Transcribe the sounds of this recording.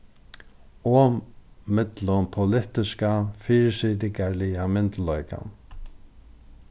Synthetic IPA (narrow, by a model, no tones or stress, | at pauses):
ɔ | mɪt̪lʊmpʰʊlɪht̪ɪskafiːɾsiːt̪ɪkaɹlɪjamɪnt̪lœʏka̰n